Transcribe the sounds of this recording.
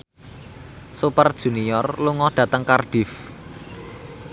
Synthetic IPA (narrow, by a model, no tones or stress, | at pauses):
supərd̥ʒ̥ṳnijɔrluŋɔɖ̪̥ä̤t̪əŋkarɖ̥ɪ̤f